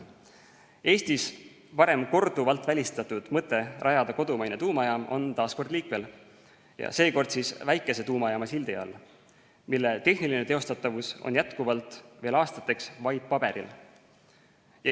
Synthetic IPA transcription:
e̞ːst̪is | pɑɾe̞mko̞rd̪̥uvɑlt̪ˑvælʲist̪ɑt̪ːˑud̪̥mɤt̪ːˑe̞rʔɑjɑd̪̥ɑko̞d̪umɑjnet̪uːmɑjɑmo̞̰nt̪ɑːsko̞rd̪liːkme̞l | jɑ̰se̞ːko̞rd̪̥sisvæjkːˑe̞se̞t̪uːmɑjɑmɑsild̪iɑ̰lː | milːe̞t̪e̞hniline̞t̪e̞o̞st̪ɑt̪ːˑɑvuso̞̰njæt̪kuvɑlt̪ˑve̞ːlɑːst̪ɑt̪ːˑe̞ksvɑjb̥̚pɑb̥e̞ɾḭl | j

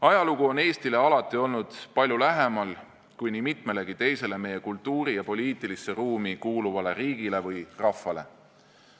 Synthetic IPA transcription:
ɑjɑluɡ̥uo̞ne̞ːst̪ile̞ɑlɑt̪ːˑio̞lnud̪̥pɑlʲjulæɦemɑl | kujnimit̪me̞le̞ɡit̪e̞jse̞le̞me̞je̞kult̪ːuːɾijɑpo̞lʲiːt̪ˑilisːeruːmikuːluvɑle̞ɾiːɡ̥ile̞vɯjrɑfːɑle̞̰

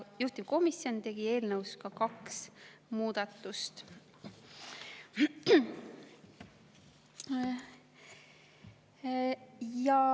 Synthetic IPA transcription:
juht̪ivko̞misjo̞nt̪e̞ɡ̥ie̞ːlnəwskɑkɑksmuːd̪̥ɑt̪ːˑust̪ | jɑ

